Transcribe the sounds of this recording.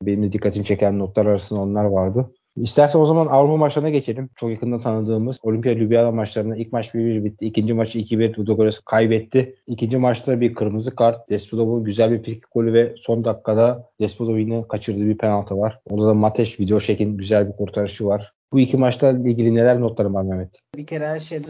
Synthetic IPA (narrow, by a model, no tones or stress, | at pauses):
be̞nimd̪ɛd̪ikʰːat̪ʰimt͡ʃʰe̞cʰænːo̞t̪lˠaɾaɾasɯnd̪ao̞nlˠaɾvaɾd̪ɯ | ist̪ʰæɾsæno̞zamanavɾupamat͡ʃlˠaɾɯnaɡɟe̞t͡ʃʰe̞lʲimt͡ʃʰo̞kjakʰɯnd̪ant̪ʰanɯd̪ɯːmɯzo̞lʲympijalʲybijanamat͡ʃlˠaɾɯnailʲcʲmat͡ʃbiɾbiɾbit̪ʰːiːcʰind͡ʒimat͡ʃʰicʰibiɾd̪ud̪oɡoɾʲasɯ̥kʰajbɛt̪ʰːɪicʰind͡ʒimat͡ʃlˠaɾbiɾkʰɯɾmɯzɯkʰaɾt̪̚d̪̥ɛspʰod̪obuɟyzælʲbiɾpʰisicʲi̥kʰo̞lʲyvɛso̞nd̪akːad̪ad̪̥ɛspʰod̪obinɯkʰat͡ʃʰɯɾd̪ɯːbiɾpʰenalˠt̪ʰavaɾ̥od̪ad̪amat̪ʰɛʃvid̪ejo̞ʃecinɟyzælʲbiɾkʰuɾt̪ʰaɾɯʃɯvaɾ̥ | b̥uicʰimat͡ʃt̪ailʲɟʲilʲine̞lʲælʲnot̪lˠaɾɯmanevɛt̪ʰː | bicʰeɾɛæʃe